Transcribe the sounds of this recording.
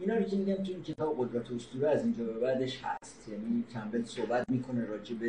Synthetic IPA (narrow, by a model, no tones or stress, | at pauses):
inɒːɾocʰemiɟæmt̪ʰuiːncʰe̞t̪ʰɒːbeɣo̞d̪ɾæt̪ʰost̪uːɾeæziːnd͡ʒɒːbebæd̪eʃhæ̰st̪jæniːcʰæmbelsohbæt̪̚miːkʰo̞neɾɒːd͡ʒebe